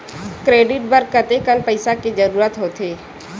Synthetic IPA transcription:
kɾeːɖɪʈ̚bəɾkət̪ekənpəɪsakid͡ʒəɾuːɾət̪ɦoːt̪ʰeː

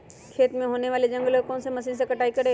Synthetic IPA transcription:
kʰeːt̪mẽɦoːneʋaːled͡ʒɐ̃ŋɡlokɔːnsemɐsiːns̬ekɐʈaːikɐɾe

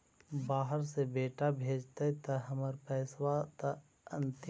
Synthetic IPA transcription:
baːɦəɾsebeːʈabʱeːd͡ʒt̪aɦit̪ɐɦɐməɾpɛːswat̪ɐ | ə̃nt̪

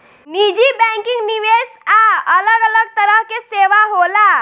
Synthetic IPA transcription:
nid͡ʒibɛ̃ŋkɪŋɡniʋesaələɡələɡ̚t̪əɾəɦkeseʋaɦola

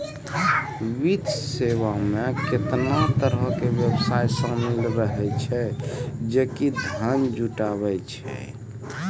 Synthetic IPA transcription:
wid̪ʱsewameket̪nat̪əɾəkebjəbsajsə̃milɾəɦɛt͡ʃʰɛd͡ʒekid̪ʱənd͡ʒuʈaβɛt͡ʃʰɛ̰

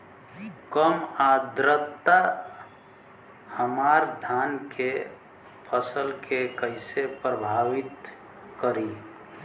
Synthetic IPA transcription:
kəmad̪ɾət̪ːa | həmaɾd̪ʱankʰe | pʰəsəlkʰekəɪsepɾəbʱaʋɪt̪ | kəɾi

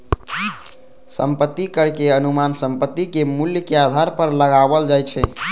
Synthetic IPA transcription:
səmpət̪ːikəɾkeənumansəmpət̪ːikemuljəkead̪ʱaɾpəɾləɡabəld͡ʒajt͡ʃʰɛ

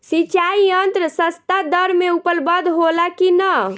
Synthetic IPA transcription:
sit͡ʃaiənt̪ɾəsəst̪ad̪əɾmeupəlbəd̪ʱɦolakinə

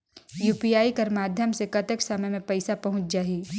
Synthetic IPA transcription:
juːpijaːikɐɾmaːd̪ʱjəmsekɐt̪əksɐməjmẽpɛɪsapɐɦʊ̃t͡ʃd͡ʒaːɦiː

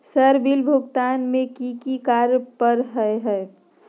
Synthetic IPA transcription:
səɾbilbʱʊɡt̪aːnmẽkikikaːɾpəɾɦəeɦɛe

